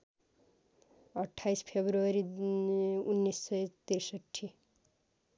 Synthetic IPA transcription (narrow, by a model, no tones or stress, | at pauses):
ʌʈʰːajspʰebɾuʌɾi | unːisːʌjt̪iɾsʌʈʰːi